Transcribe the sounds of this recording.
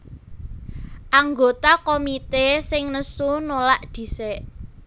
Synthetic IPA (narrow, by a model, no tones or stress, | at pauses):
ʔaŋɡot̪akomit̪esɪŋnəsunolaʔd̪̥i̤seʔ